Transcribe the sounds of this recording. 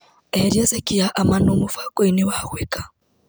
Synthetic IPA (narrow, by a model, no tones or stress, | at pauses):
ɛɾjɛzɛkiaʔamanumufakɔiniwawɛka